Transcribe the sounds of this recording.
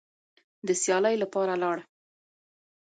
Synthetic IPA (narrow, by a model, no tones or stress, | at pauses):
d̪əsjɑləjlapɑɾalɑɽ